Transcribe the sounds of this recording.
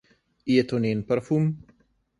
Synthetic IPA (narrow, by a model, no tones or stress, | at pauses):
iet̪onenpəɾfum